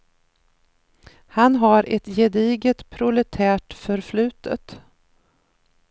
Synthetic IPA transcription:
hanɦaɾɛt̪jɛd̪iːɡət̪pʰɾʊlɛt̪ʰæːʈfœɾflʉ̟ːt̪ʰə̰t̪

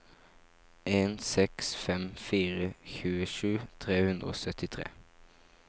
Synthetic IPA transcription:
ʔeːnsɛksfɛmfiːʁəçʉːəʂʉːt̪ʰʁeːhʉnd̪ʁəo̰ːsœt̪ɪt̪ʰʁḛː

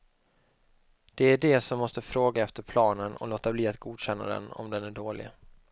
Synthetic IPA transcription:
d̪̥ɛæɖɛsɔmːɔst̪əfɾoːɡaɛft̪əɾpʰlɑːnənɔ̰loːt̪abliːat̪ɡuːd̪ɕɛnːa̰d̪ɛ̰nɔ̰md̪ɛnæɖoːlɪ̰

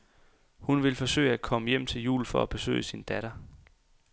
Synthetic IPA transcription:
hunʋe̝lfɒ̽sø̰ɪəæ̥kʰɒ̽məjem̰t͡sʰe̝ljṵːlfɒ̽æb̥e̝sø̰ɪəsind̥æɾ̥ɐ

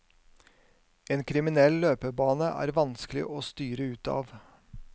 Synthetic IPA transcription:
eːnkʰɾɪmɪnɛlløːpəbɑːnəʔæ̰ːɾʋɑnsklɪ̰ʔoːst̪yːɾəʉːt̪ɑ̰ːʋ

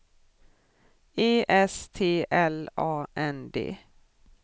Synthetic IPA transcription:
eːʔɛst̪ʰeːʔɛlɑːʔɛnd̪ḛː

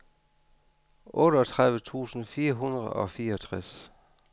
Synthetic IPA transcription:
ʔɔ̽ːɾəɒt͡sʰʁaðˠʋət͡sʰṵːsn̩fiːɐɦunɐð̩ˠɒ̽fiːɐɒt͡sʰʁas

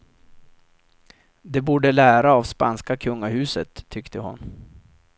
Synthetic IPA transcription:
d̪ɛbuːɖəlæːɾaːvspanskakʰɵŋːahʉ̟ːsət̪ʰːʏkt̪ʰəhʊ̰n

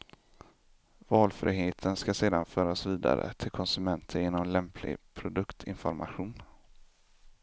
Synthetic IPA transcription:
vɑːlfɾḭːɦeːt̪ʰənskaseːd̪anfœːɾasviːd̪a̰ɾə̰t̪ʰɪlkʰɔnsɵmɛnt̪ʰəɾjeːnɔmlɛmpʰlɪ̰ɡpʰɾʊd̪ɵkt̪ʰɪ̰nfɔɾmaɧuːn

